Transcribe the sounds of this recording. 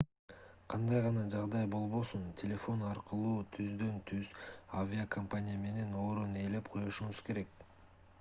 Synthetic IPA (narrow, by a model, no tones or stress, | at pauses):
qʰɑnd̪ɑjʁɑnɑd͡ʒɑʁd̪ɑjbo̞lˠβo̞suntʲʰelʲe̞fo̞nɑɾqɯlˠuːt̪ʰyzd̪ø̞nt̪ʰyz̥avʲiakʰɐmpanʲɪjame̞ne̞no̞ːɾone̞ːle̞pqʰo̞joʃuɴuzke̞ɾe̞k